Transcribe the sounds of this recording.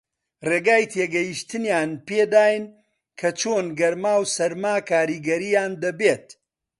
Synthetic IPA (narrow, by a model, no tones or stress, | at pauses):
reːɡaːjt̪ʰeːɡɐjiʃt̪ʰɨnjaːnpeːd̪aːjɨn | kʰɐt͡ʃoːnɡɐɾmaːwsɐɾmaːkʰaːɾiɡɐɾijaːnd̪ɐbeːt̪̚